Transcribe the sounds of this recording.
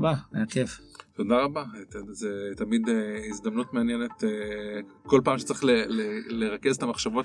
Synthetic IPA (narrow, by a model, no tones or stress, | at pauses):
bajakeft̪o̞d̪aʁabazet̪amid̪eizd̪ɐmnut̪meanjene̞t̪eko̞lpaːmʃe̥t͡saʁi̥χleleleʁakezet̪amaχʃavo̞t